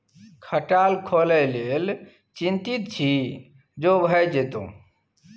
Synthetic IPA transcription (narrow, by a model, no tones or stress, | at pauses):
kʰəʈalkʰoləlel | t͡ʃĩnt̪it̪̚t͡ʃʰi | d͡ʒobʱəjd͡ʒet̪õ̰